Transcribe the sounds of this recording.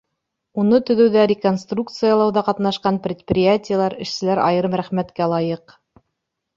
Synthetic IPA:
unɤt̪ɵ̆ðɵ̆wðæɾʲɪkonst̪rukt̪sɨjɑlˠɑwðɑqɑt̪nɑʃqɑnpɾʲɪt̪̚prʲɪjatʲɪjalˠɑɾɘ̆ʃsɘ̆læɾʔɑ̰jɤ̆ɾɤmɾæχmæt̪kælˠɑjɤq

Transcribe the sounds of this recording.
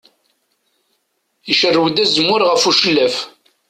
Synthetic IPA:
iʃərːəwd̪æzəmːʊɾʁəfuʃəlːæf

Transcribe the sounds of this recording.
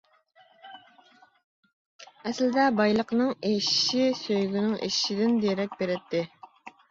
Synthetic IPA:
ɛslɪd̪ɛbɑjlˠəqnɨŋeʃʃisøjɡʲynɪŋʔḛʃʃid̪ɪnd̪eɾɛk̚ʲbeɾɪt̪ʰːɪ

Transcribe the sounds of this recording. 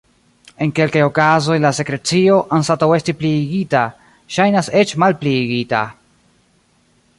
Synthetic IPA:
e̞nke̞lkajo̞kazo̞jlase̞kɾe̞t͡sio̞ʔansatawe̞stipliːɡita | ʃajnase̞t͡ʃmalpliːɡita̰

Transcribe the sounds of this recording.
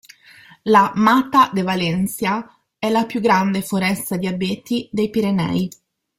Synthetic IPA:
lamat̪ad̪evalɛnsja | ɛlapjuɡːɾand̪efoɾɛst̪ad̪iabeːt̪id̪ejpiɾenɛ̰j

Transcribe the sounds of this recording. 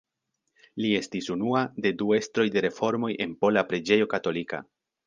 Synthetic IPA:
lie̞stisunuade̞due̞stɾo̞jde̞ɾe̞fo̞ɾmo̞jʔe̞npo̞lapɾed͡ʒe̞jo̞kato̞lika̰

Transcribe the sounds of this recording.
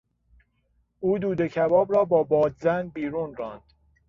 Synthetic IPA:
uːd̪uːd̪e̞cʰæbɒːbɾɒːbɒːbɒːd̪zænbiːɾuːnrɒːnd̪̥

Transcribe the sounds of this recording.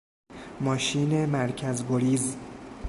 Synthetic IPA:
mɒːʃiːne̞mæɾcʰæzɡoɾiːz

